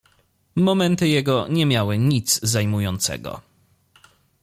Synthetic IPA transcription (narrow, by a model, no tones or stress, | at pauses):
mɔmɛnt̪ɘjɛɡɔɲɛmʲjawɘɲit̪zzajmujɔnt̪sɛ̰ɡɔ̰